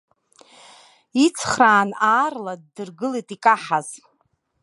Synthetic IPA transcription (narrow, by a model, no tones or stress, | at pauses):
it͡sʰχraːnaːrlad̚ːɨrɡɨlejtʼikʼaħaz̥